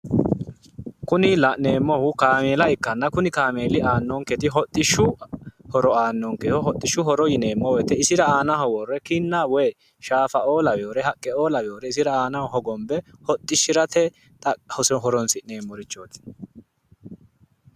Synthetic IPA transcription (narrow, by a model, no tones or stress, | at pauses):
kʊnɪlɐne̞ːmːɔhʊkaːmeːlɐɪkːɐnːɐkʊnɪkaːmeːlɪʔaːnːɔŋkɛt̪ɪɦɔt̪ʼːɪʃʊhɔɾɔaːnːɔŋkɛhɔɦɔt̪ʼːɪʃʊɦɔɾɔjɪne̞ːmːɔwɔjt̪ɛɪsɪɾɐaːnɐɦɔwɔrːɛkɪnːawɛj | ʃaːfɐo̞ːlɐwɛoɾɛɦɐkʼːɛoːlɐwɛjoːɾɛɪsɪɾɐaːnɐhɔhɔɡɔmbɛhɔt̪ʼːɪʃːɪɾɐt̪ɛ | t̪ʼɐhɔsɔɦɔɾɔnsɪne̞ːmːɔɾɪt͡ʃːoːt̪ɪ̥